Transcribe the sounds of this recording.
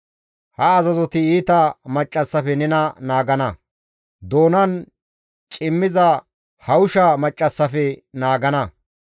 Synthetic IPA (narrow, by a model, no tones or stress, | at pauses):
hɐːzɐzɔt̪ɪiːt̪ɐmɐt͡ʃʼːɐsːɐfɛnɛnɐnaːɡɐnɐ | d̪o̞ːnɐn | t͡ʃʼɪmːɪzɐ | hɐʊʃɐmɐt͡ʃʼːɐsːɐfɛnaːɡɐnɐ